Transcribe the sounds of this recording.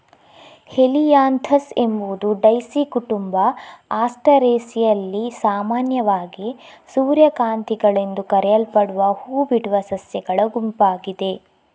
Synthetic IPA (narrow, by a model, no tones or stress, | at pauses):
helijaːnt̪ʰɐse̞mbud̪uɖɐjsikuʈumbɐaːsʈɐɾeːsijɐlːisaːmaːnjɐʋaːɡi | suːɾjɐkaːnt̪iɡɐɭend̪ukɐɾɛjɐlpɐɽuʋɐhuːbiɽuʋɐsɐsjɐɡɐɭɐɡumpaːɡid̪e̞